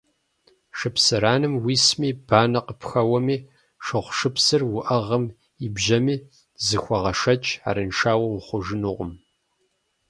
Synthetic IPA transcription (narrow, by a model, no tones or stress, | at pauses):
ʂɨpsɨɾaːnɨmwiːsmiːb̥aːnɐqəpxɐwɐmiː | ʂɨχʷʂɨpsɨrwʊʔɐʁɐm | ibʒɐmiː | zɨxʷɐʁɐʂɐt͡ʃʼa̰ːɾɨnʂaːwɐwχʷʊʒɪnuʁʷʊ̰m